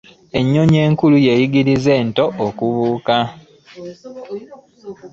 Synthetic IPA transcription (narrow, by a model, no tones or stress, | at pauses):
e̞ɲːoɲe̞ːŋkuluje̞jiɡiɾize̞ːnto̞ʔːkuβuːka